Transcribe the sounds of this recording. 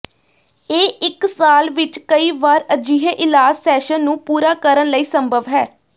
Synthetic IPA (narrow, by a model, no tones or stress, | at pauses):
eːɪksaːlʋɪt͡ʃkəiːʋaːɾəd͡ʒiːɦeːʔɪlaːd͡ʒsɛːʃənːũːpuːɾaːkəɾənləiːsəmbʱəʋɦɛː